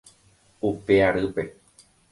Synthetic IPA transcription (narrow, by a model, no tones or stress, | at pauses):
upeaɾɨpe̞